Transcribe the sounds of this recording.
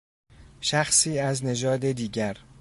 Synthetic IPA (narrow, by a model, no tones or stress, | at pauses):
ʃæxsiːæzne̞d͡ʒɒːd̪ed̪iːɟæɾ